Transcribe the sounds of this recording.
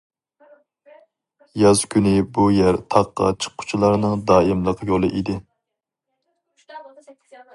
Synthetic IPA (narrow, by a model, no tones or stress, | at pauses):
jɑzkʲʰynɪbujæɾt̪ʰɑqːɑ̰t͡ʃʰə̥qʰːʊ̥t͡ʃʰulˠɑɾnɨŋd̪ɑːimlˠəqʰjolˠɨʔid̪ɪ